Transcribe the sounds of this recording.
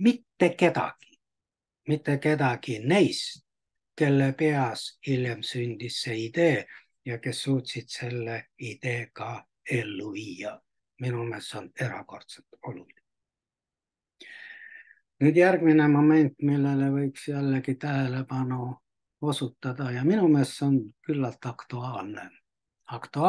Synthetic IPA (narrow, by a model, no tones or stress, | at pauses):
mit̪ːe̞ke̞d̪ɑ̰ɡ̥i̥ | mit̪ːeke̞d̪ɑɡ̥inejst̪ | ke̞lːepeɑsiljemsynd̪̥isːe̞id̪̥e̞ː | jɑke̞sːuːt̪ʲsid̪̥se̞lːeid̪̥e̞ːkɑ | e̞lːuviːɑ | minumeːsːone̞ɾɑ̰ko̞rt̪selt̪o̞luli | nyːd̪̥jærɡ̥minemo̞me̞nt̪ːˑmilːelevɤiksjælːekit̪æɦelepɑnu | o̞sut̪ːɑd̪̥ɑjɑminumeːsːonkylːɑlt̪ɑkt̪uɑːlne | ɑkt̪uɑ